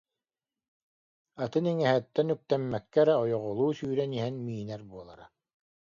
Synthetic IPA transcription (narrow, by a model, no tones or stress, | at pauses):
at̪ɯniŋɛɦɛt̪ːɛnyk̚t̪ɛmːɛkːɛɾɛɔjɔʁɔlˠuːsyːɾɛniɦɛnmiːnɛɾbuɔlˠa̰ɾa